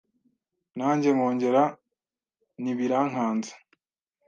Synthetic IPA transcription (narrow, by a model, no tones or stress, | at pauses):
naːɲɟe̞moːɲɟe̞ɾa | niβiɾaːŋ̥aːnzḁ